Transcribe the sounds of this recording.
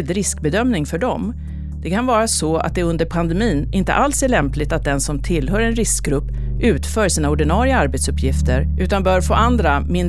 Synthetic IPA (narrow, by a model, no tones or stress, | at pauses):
ld̪ɾɪskbɛd̪œmnɪŋfœɖɔm | d̪̥ɛkʰanvɑːɾasɔa̰t̪̚d̪ɛɵnd̪əɾpʰand̪ɛmiːnʔɪnt̪ə̰ʔalsæɭɛmplɪt̪at̪̚d̪ɛnsɔmt̪ʰɪlːɦœːɾɛnɾɪskɡɾɵpːʔʉ̟ːt̪fœːʂiːnaɔɖɪnɑːɾɪaaɾbɛt̪sɵpʰːjɪft̪əɾʔʉ̟ːt̪anbœːɾfoːʔand̪ɾamɪn